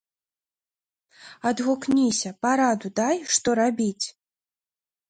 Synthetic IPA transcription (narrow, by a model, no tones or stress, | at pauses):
ɐd̪ɣuknʲisʲɐpaɾad̪ud̪ajʂt̪ɔɾabʲit͡sʲ